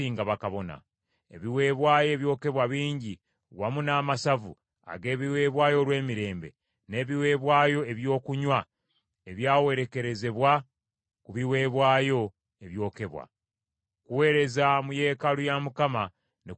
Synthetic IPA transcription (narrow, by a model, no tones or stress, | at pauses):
iːŋɡaβakaβo̞na̰ | ḛβiwe̞ːβwaːjo̞ːβjo̞ːke̞βwaβiːɲɟi | wamunaːmasavṵ | a̰ɡe̞ːβiwe̞ːβwaːjo̞lwe̞ːmiɾe̞ːmbe̞̰ | ne̞ːβiwe̞ːβwaːjo̞e̞βjo̞ːkuɲwa | eβjaːwe̞ɾe̞ke̞ɾe̞ze̞βwa | kuβiwe̞ːβwaːjo̞ | eβjo̞ːke̞βwa̰ | kuwe̞ːɾe̞zamuje̞ːkalujamukama | ne